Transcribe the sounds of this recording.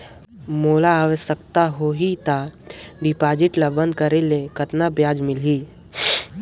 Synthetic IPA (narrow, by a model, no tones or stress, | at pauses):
moːlaːʋəʃək̚t̪aɦoɦit̪aɖɪpaːd͡ʒɪʈləbə̃nd̪̚kəɾelekət̪nabjaːd͡ʒmɪli